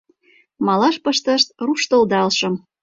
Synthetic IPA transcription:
mɑlɑʃpəʃt̪əʃt̪̚ruʃt̪ɤ̆ld̪ɑlʃɤ̆m

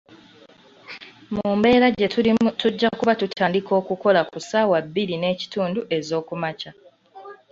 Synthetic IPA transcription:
muːmbe̞ːɾaɟetuɟːakuβatutʰaːndiko̞ːkuko̞lakusaːwabːiɾine̞ːci̥tuːnduʔe̞zo̞ːkumaca

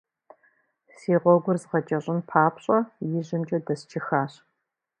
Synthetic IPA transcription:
siːʁʷɔɡʷʊrzʁɐt͡ʃʼɐɕʼɪnpʰaːpʰɕʼɐjɪʑɪmt͡ʃʼɐdɐst͡ʃʰɪxaːɕ

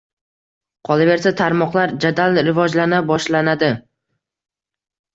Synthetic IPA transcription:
qʰɒlˠabe̞ɾsat̪ʰaɾmɒqlˠaɾd͡ʒad̪alɾɪvɒd͡ʒlanabɒʃlanad̪ɪ

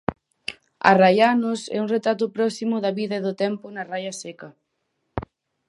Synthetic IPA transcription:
a̰rajanʊsɛ̰uŋret̪ɾat̪ʊpɾɔsimʊðɐβiðɐeðʊt̪ɛmpʊnarajɐsɛkɐ

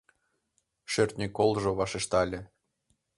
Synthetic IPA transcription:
ʃørt̪nʲekolˠʒŏβɑʃĕʃt̪ɑlʲĕ

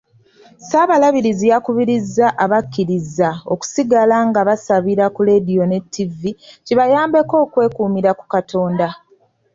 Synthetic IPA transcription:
saβalaβiɾizijakuβiɾizːaʔaβakːiɾizːao̞̰ku̥siɡalaŋɡaβasaβiɾakule̞dijo̞ne̞tːiviciβajaːmbe̞ko̞ːkwe̞ːkuːmiɾaku̥katʰo̞ːnda

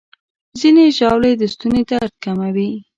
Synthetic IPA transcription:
zineʒɑwled̪əst̪unet̪aɾt̪̚kamawi

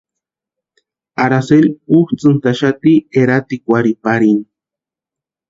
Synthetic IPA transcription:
aɾaseluht͡sɨnt̪aʃat̪ieɾat̪ikʷaɾipaɾin

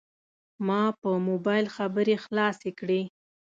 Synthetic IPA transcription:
mɑpəmobɑjlxabəɾexlɑsekɽe

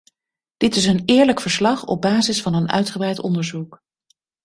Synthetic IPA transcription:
d̥ɪtɪs̬ənɪːɹləkfəɹslɑχɔ̰b̚baːzɪsfɑnənœ̰ɥtχəbrɛjtɔ̰ndəɹzuk

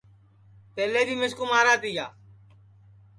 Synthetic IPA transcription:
p̪eːleːbiːmɪskuːmaːɾaːt̪iːjaː

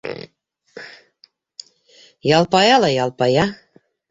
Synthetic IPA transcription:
jɑlˠpɑjɑlˠɑjɑlˠpɑjɑ

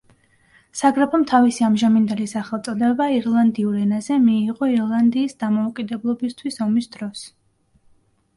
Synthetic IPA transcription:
saɡɾɛpʰɔmt̪ʰavisiamʒamind̪ɛlisaχɛlˠt̪sʼɔd̪ɛbaiɾlˠand̪iuɾɛnazɛmiːʁɔiɾlˠand̪iːsd̪amɔukʼid̪ɛblˠɔbist̪ʰwisɔmisd̪ɾɔs

